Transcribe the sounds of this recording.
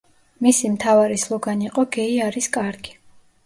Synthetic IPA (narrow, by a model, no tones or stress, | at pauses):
misimt̪ʰavaɾislˠɔɡaniːqʼɔɡɛiaɾiskʼaɾɡi̥